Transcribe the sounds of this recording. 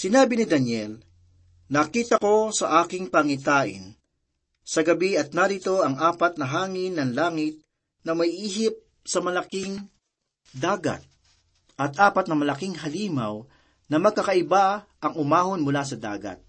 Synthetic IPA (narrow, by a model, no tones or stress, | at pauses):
sɪnaːbɪnɪd̪ɐnjɛl | nɐkiːt̪ɐko̞sɐʔaːkɪŋpɐŋɪt̪aːʔɪ̰n | sɐɡɐbiɐt̪̚naɾit̪o̞ɐŋʔaːpɐt̪nɐɦaːŋɪnːɐŋlaːŋɪt̪̚ | nɐmɐjʔiːɦɪp̚ | sɐmɐlɐkɪŋ | d̪aːɡɐ̰t̪̚ | ʔɐt̪̚ʔaːpɐt̪̚nɐmɐlɐkiŋɦɐliːmɐw | nɐmɐɡ̚kːɐkɐʔɪbaʔɐŋʊmaːhonmʊlasɐd̪a̰ːɡɐ̰t̪̚